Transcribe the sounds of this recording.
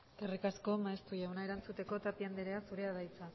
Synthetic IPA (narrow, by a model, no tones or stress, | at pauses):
erikasko̞maest̪ujawnae̞ɾant͡sut̪e̞ko̞t̪apiand̪eɾe̞asuɾe̞aðajt͡sa